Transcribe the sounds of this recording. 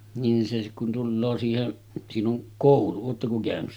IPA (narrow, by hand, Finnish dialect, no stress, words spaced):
niːn se kun tulːoː siːhen siːn oŋ koˑulu oːtːɑko kæˑønys